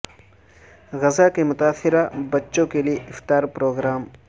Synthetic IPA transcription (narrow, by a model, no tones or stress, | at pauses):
ɣɐzakemʊt̪aːsɪɾabɐtːʃõkelieʔɪft̪aːɾpɾoːɡɾaːm